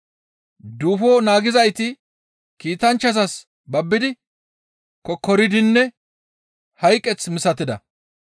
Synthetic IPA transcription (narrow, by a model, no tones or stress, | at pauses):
d̪uːfoːnaːɡɪzɐjt̪ɪ | kiːt̪ɐnt͡ʃːɐzɐs | bɐbːɪd̪ɪ | kɔkːɔɾɪd̪ɪnːɛ | hɐjkʼːɛt͡smɪsɐt̪ːɪd̪ɐ